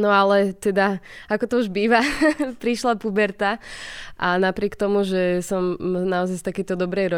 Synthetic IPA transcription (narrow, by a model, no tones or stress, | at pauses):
nɔalɛt̪ɛd̪aakɔt̪ɔuʒbiːʋapɾiʃlapubɛɾt̪aʔanapɾɪɛkt̪ɔmuʒɛsɔmnaɔzajst̪akɛjt̪ɔd̪ɔbɾɛjɾɔ